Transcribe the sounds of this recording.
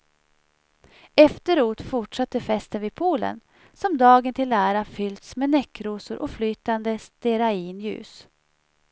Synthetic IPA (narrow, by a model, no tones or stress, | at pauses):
ɛft̪əɾoːt̪fʊʈʂat̪ːəfɛst̪ənviːd̪pʰuːlə̰n | sɔmd̪ɑːɡənt̪ʰɪlæːɾafʏld̪smeːnɛkːɾuːsʊɾʔɔflyːt̪and̪əst̪ɛɾaiːnjʉ̟̰ːs